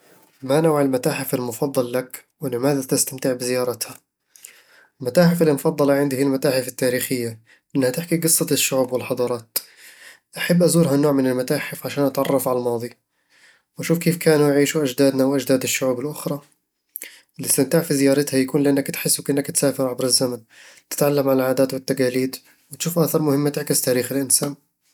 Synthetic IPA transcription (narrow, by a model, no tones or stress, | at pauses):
manawʕɪlmat̪aːħɪfɪlmʊfɑd̪ˤːɑlːakwɪlɪmaːðat̪ɪst̪amt̪ɪʕbɪzɪjɑːɾˤɑt̪ha | lmat̪aːħɪfalmʊfɑd̪ˤːɑlɑʕɪnd̪ɪhɪlmat̪aːħɪfɪt̪ːaːɾiːxɪjːa | ʔɪnːhat̪ɪħkiɡɨsˤːɑt̪ɪʃːʊʕuːbwɪlħɑd̪ˤɑːɾˤɑːt̪ | ʔaħabːʔazuːɾɦanoːʕmɪnɪlmat̪aːħɪfʕaʃaːnʔat̪ʕɑrˤːɑfʕalalmɑːd̪ˤi | wʔaʃuːfkeːfkʰaːnujʕiːʃuʔad͡ʒd̪aːd̪nawʔad͡ʒd̪aːd̪ɪʃːʊʕuːbɪlʔʊxɾˤɑ | ɪlːist̪amt̪aːʕfizɪjɑːɾˤɪt̪hajakuːnlɪʔanːakt̪ħɪsːukʔɪnːakt̪saːfɪɾʕabɾɪzːaman | t̪ɪ̥t̪ʕalːamʕalalʕaːd̪aːt̪wɪt̪ːaqaːliːd̪ | wɪt̪ʃuːfʔaθɑɾˤmʊhɪmːat̪ɪʕkɪst̪aːɾiːxɪlʔɪnsaːn